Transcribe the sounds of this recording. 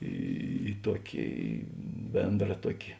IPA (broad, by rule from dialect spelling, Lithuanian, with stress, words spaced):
ˈiː ˈtuɔkʲɪ ˈbʲeːndrɐ ˈtuɔkʲɪ